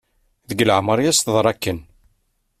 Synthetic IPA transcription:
ðəɡləʕməɾˤjæst̪əðˤɾˤɑkːən

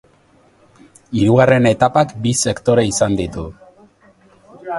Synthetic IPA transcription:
iɾuɣare̞ne̞t̪apakbise̞kt̪o̞ɾeisand̪it̪u

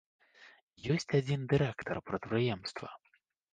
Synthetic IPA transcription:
jɔsʲt͡sʲad͡zʲind̪ɨɾɛkt̪ʰɐrpɾɐt̪pɾɨjɛmst̪vɐ̰

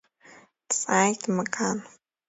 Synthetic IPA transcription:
sʼaːjtʰmɐkʰaːn

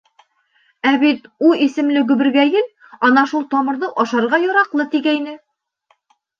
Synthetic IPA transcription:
æbit̪uisɘ̆mlɘɡɵ̆bɘ̆ɾɡæjɘl | ɒnɑʃulˠt̪ɒmɤ̆ɾðɤʔɒʃɑɾʁɑjɒɾɑqlˠɤt̪iɡæjnɘ

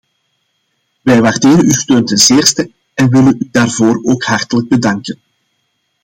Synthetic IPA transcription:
ʋɛjʋaːrdeːɾənystøːntɛnzeːrstə | ɛnʋɪlənydaːrvoːɾoːkhɑrtələɡ̚bədɑŋkən

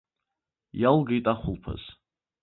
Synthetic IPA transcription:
jalɡajtʼaχʷʊlpʰa̰z̥

